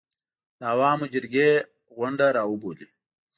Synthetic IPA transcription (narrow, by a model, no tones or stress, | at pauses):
d̪̥əːwaːmod͡ʒɪɾɡe | ɣʊɳɖaɾaːuboːli